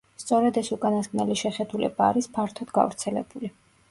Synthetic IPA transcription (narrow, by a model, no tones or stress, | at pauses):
st̪sʼɔɾɛd̪ɛsukʼanaskʼnɛliʃɛχɛd̪ulɛ̰baːɾispʰaɾt̪ʰɔd̪ɡa̰vɾt̪sʰɛlɛ̰buli